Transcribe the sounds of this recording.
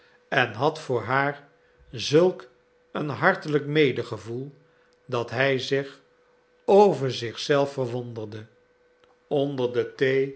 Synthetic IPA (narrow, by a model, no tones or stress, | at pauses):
ɛnɦɑtfʊːɹɦaːɹ | zɵlˠk | ənɦɑɹtələkmejdəχəvulˠ | dɑtɦɛjzɪχ | owvəɹzɪχsɛlˠfərʋondərdə | ɔndəɹdətej